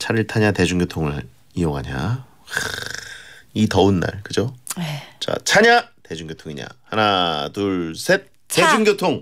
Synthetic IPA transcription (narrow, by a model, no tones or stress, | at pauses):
t͡ɕʰaɾiɭtʰaɲate̞d͡ʑuŋɡjotʰoŋɯɭ | iʌɡaɲa̰ | itʌɯnːa̰ɭkɯd͡ʑoet͡ɕa̰t͡ɕʰaɲate̞d͡ʑuŋɡjotʰoŋiɲa̰hanatuɭsʰet̚ | ted͡ʑuŋɡjotʰoŋ